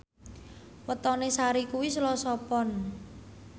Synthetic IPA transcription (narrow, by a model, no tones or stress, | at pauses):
wət̪ɔnesaɾikuwislɔsɔpɔn